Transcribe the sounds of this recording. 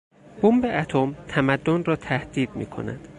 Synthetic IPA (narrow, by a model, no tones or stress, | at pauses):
b̥ombeʔæt̪ʰomt̪ʰæmæd̪ːonrɒːt̪ʰæhd̪̥iːd̪̥̚mḭːkʰo̞̰næ̰d̪̥